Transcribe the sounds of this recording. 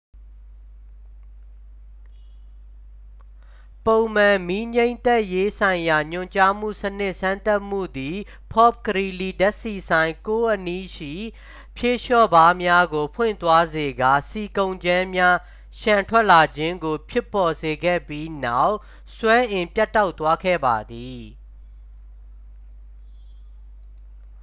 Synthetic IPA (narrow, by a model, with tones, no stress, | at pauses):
põ˨ʊ̃mã˨mi˦ɲẽ˦ɪ̃nt̪ɛ˦˨ʔje˦sã˨ɪ̃ja˨ɲʊ̃˨ɲt͡ɕa˦m̥ṵ˦˨sənɪ˦ʔsã˦nt̪a˦ʔm̥ṵ˦˨d̪i˨ | pʰɔ˦˨p̚kəɹi˨li˨dɛ˦ʔsi˨sʰã˨ɪ̃ŋko˦ʔə˦ni˦ʃḭ˦˨ | pʰje˦˨ʃɔ˦˨ba˦mja˦ɡo˨pʰwɪ̰̃˦˨nt̪wa˦ze˨ɡa˨si˨kõ˨ʊ̃ɲd͡ʑã˦mja˦ | ʃã˨ntʰwɛ˦ʔla˨d͡ʑɪ̃˦ŋɡo˨pʰjɪ˦˨pːɔ˨ze˨ɡɛ̰˦˨pji˦na˦˨ʊʔ | swɛ˦ʔɪ̃˨mpja˦tːa˦ʊʔt̪ːwa˦kʰɛ̰˦˨ba˨d̪i˨